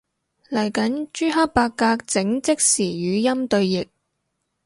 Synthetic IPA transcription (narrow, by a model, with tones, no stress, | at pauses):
lɐ˨˩jkɐ˨˥nt͡ʃyː˥ɦɐ˥k̚paː˧kːaː˧k̚t͡sɪ˨˥ŋt͡sɪ˥k̚siː˨˩jyː˨˧jɐ˥mt̪ɵ˧ɥjɪ˨k̚